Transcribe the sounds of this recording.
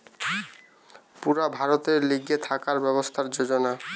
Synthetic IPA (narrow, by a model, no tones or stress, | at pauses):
puɾabʱaɾot̪eɾliɡet̪ʰakaɾbɛbost̪ʰaɾd͡ʑod͡ʑona